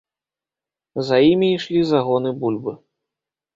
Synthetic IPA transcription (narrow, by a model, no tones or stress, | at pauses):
zajimʲiːʂlʲizaɣɔnɨbulʲbɨ